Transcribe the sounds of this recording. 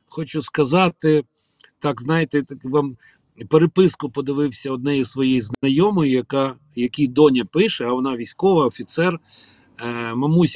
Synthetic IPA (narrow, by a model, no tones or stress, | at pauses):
xɔt͡ʃʊskɐzɑt̪ɪ | t̪ɑkznɑjɪt̪ɛʋɑm | peɾepɪskʊpɔd̪ɪʋɪwsʲɐɔd̪̚nɛjissʋɔjijznɐjɔmɔjʊjɐkɑ | jɐkʲijd̪ɔnʲɐpɪʃɛɐʋɔnɑʋʲijsʲkɔʋɐɔfʲit̪sɛr | mɐmusʲ